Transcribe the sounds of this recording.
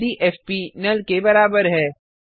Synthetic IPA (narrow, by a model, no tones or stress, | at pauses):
d̪iʔɛːfpinɐlkebɐɾaːbəɾɦɛː